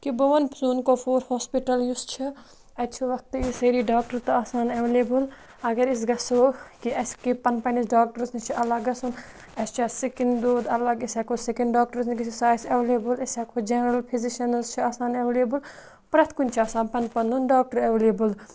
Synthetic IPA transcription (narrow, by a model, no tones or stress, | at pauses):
kiboʋɐnpsuːnkopʰoːɾhaːspiʈɐljust͡ʃʰi | ɐt͡ʃʰiʋɐk̚t̪isɐɾiɖaːkʈɐɾt̪ɐaːsaːnɐʋeleːbul | ɐɡɐɾis̬ɡɐsoːkiɐskipɐnpɐnisɖaːk̚ʈɐɾsnit͡ʃʰiʔɐlaːɡɐsun | ɐst͡ʃʰasikind̪oːd̪ɐlaɡɐsaːkʰoːsekɐɳɖɖaːk̚ʈɐɾsnikisisaːisɐʋeleːbulɐsakʰod͡ʒenɐɾɐlpʰiziʃɐnɐzt͡ʃʰiaːsaːneʋeleːbul | pɾɐt̪ʰkunʲt͡ʃʰiaːsaːnpɐnpɐnunɖaːk̚ʈɐɾɐʋeleːbul